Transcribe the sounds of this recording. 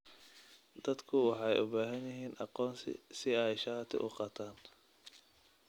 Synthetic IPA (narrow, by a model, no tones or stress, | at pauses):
d̪̥ɐd̪kʰʊwɑħɑjʔʊbaːɦɐnjɪɦiːnʔɑqɔːnsɪ̰sɪɛjʃɑt̪ʰɪ̰ʔʊqɑːt̪ʰaːn